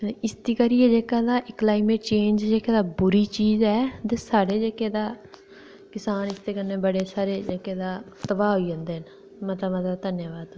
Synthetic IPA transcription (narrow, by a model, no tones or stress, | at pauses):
ɪst̪iːkəɾɪeːd͡ʒeːkaːd̪aːklaːɪmeːʈ̚t͡ʃẽːnd͡ʒd͡ʒeːkeːd̪aːbʊɾiːt͡ʃiːzɛːt̪eːsaːɽeːd͡ʒeːkeːd̪aː | kɪsaːnɪst̪eːkənːeːbəɽeːsaːɾeːd͡ʒeːkeːd̪aːt̪əbaːɦoiːd͡ʒãːnd̪eːn | mət̪ləmət̪ləbd̪ənjaːʋaːd̪